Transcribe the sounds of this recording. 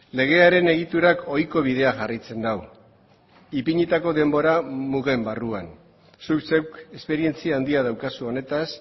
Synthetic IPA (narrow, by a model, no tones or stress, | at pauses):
le̞ɣ̞e̞aɾe̞ne̞ɣ̞it̪uɾako̞jko̞βið̞e̞aʝarajt͡se̞nd̪aw | ipiɲit̪ako̞ðe̞mbo̞ɾamuɣe̞mbaruan | sukse̞wke̞spe̞ɾie̞nt͡siaːnd̪iað̞awkasuo̞ne̞t̪as